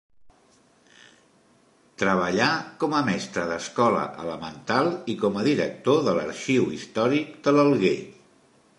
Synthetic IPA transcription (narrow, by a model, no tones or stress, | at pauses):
t̪ɾəβ̞əʎakɔməmɛst̪ɾəðəskɔlə̰ʔələmənt̪alˠikɔməðiɾək̚t̪oðələ̰ɾʃiwḭst̪ɔɾikd̪ələlˠɣḛ